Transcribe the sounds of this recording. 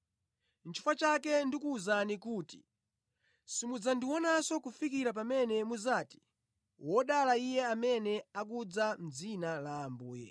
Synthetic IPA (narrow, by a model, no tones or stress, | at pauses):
nt͡ʃʰi̥fat͡ʃakɛndikuːzanikuːti̥ | simud͡zandiwɔnasɔkufikiɾap̬amɛnɛmuzaːti̥ | wɔɗalaijɛamɛnɛak̬ud͡zam̩d͡zinalaːmbuːjɛ̰